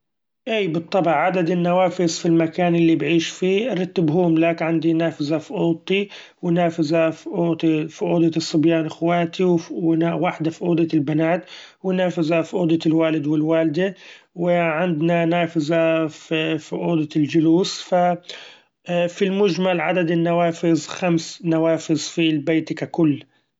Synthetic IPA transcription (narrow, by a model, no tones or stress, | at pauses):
ʔiːbɨt̪ˤːɑbɑʕʕad̪ad̪ɪnːawaːfɪzfilmakaːnʔɪlːibʕiːʃfiːɾˤɑt̪ːɪbɦuːmlakʕand̪inaːfɪzafʊʔuːd̪̚t̪ːi | wɪnaːfazafʔuːt̪fʊʔuːd̪ˤɑsˤːɨbjaːnʔɪxwaːt̪iwnawaħd̪afʊʔuːd̪ˤɑɪlbanaːt̪ | wɪnaːfɪzafʔuːd̪ˤɪɪlwaːlɪd̪wɪlwaːld̪awɪʕɪnd̪nanaːfɪzaffɪʔuːd̪ˤɑld͡ʒʊluːsfa | filmʊʒmalʕa̰d̪ad̪ɪnːawaːfɪzˤxamsnawaːfɪzˤfilbeːt̪ikakʊlː